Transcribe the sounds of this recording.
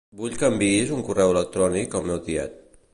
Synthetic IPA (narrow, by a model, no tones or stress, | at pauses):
buʎkəmbiizuŋkurɛwələk̚t̪ɾɔnikəlˠmɛwðiɛ̰t̪̚